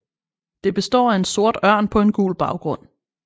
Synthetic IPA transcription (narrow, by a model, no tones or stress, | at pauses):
d̥e̝b̥e̝sd̥ɒ̰ːæe̝nso̝ɐd̥ɶɐ̰npʰɒ̽e̝nɡ̥ṵːlb̥ɑ̈ʊɡ̥ʁɔ̽n̰